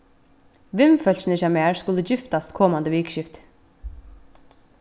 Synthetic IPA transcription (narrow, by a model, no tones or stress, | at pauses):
ʋɪmfœl̥sɪnɪʃamɛːɹskʊləd͡ʒɪft̪ast̪kʰɔːmand̪əʋiːkʃɪft̪